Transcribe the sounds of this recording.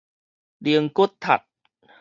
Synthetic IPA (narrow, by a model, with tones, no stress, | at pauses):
di˧əŋku˦˥t̪ʰːa̰˨˩t̪̚